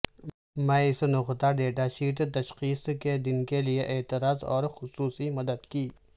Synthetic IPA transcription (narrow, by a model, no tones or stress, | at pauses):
mɛ̃ɪsnʊxt̪aɖeːʈaʃiːʈ̪t̪ɐʃxiːsked̪ɪnkelijeʔeːt̪ɪɾaːzɔ̰ːɾxʊsuːsimɐd̪əd̪kiː